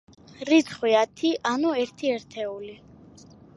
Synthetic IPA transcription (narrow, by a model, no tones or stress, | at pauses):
ɾit̪sʰχwiat̪ʰiʔanuɛɾt̪ʰiɛɾt̪ʰɛuli